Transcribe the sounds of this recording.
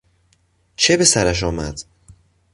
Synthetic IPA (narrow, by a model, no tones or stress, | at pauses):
t͡ʃʰebe̞sæɾæʃ̬ɒːmæ̰d̪̥